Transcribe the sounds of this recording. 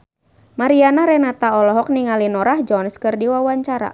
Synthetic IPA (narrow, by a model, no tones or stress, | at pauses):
maɾianaɾɛhnat̪aɔlɔɦɔk̚niŋalinɔɾahd͡ʒɔnskɨrdiwawaɲt͡ʃaɾa̰